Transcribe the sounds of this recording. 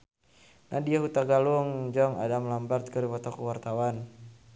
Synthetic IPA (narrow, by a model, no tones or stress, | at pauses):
nadiaɦut̪aɡaluŋd͡ʒɔŋa̰damlambart̪̚kəɾipɔt̪ɔkuwart̪awan